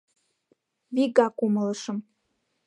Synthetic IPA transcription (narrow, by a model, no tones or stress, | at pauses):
viɡakʼumələʂəm